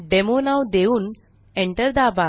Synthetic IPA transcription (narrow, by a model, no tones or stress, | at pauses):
ɖemonawd̪euːn | eɳʈəɾd̪aba